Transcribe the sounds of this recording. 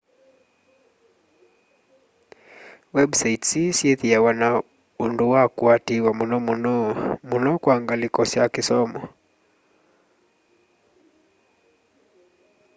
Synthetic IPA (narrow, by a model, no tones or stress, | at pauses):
wɛbsaitsisjɛθijawana | unduwakuatiwamunɔmunɔmunɔkwaŋɡalikɔsjakisɔmɔ